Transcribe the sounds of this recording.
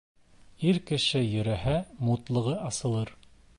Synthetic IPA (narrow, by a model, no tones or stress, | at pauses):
iɾkɘ̆ʃɘjɵ̆ɾæhæmut̪lˠɤ̆ʁɤʔɑsɤ̆lˠɤɾ